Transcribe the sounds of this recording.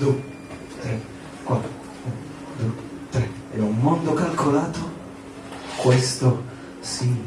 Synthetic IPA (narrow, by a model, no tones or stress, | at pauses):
d̪ue | t̪ɾe | kwat̪ːɾ | un | d̪uet̪ɾe | eumːond̪okalkolaːt̪o | kwest̪o | si